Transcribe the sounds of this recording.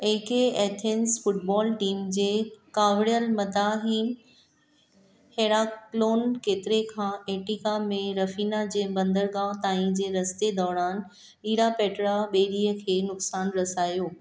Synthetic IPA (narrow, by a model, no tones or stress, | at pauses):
eːkeeːt̪ʰensfʊʈ̚bɔːlʈiːmd͡ʑeːkaːʋɽijəlmɐd̪aːɦiːn | heːɽaloːnkeːt̪ɪɾekʰãːʔeːʈikamẽɾɐfiːnad͡ʑeːbɐ̃nd̪əɾɠãːt̪aːĩd͡ʑeːɾɐst̪ed̪ɔːɾaːn | ɓiːɾapeːʈɾaɓeːɾiəkʰeːnʊksaːnɾɐsaːjoː